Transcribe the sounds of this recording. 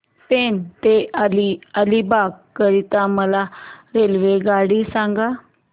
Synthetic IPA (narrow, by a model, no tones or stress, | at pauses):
pent̪ealiəlibaɡkəɾit̪aməlaɾelʋeɡaɽiːsãŋɡa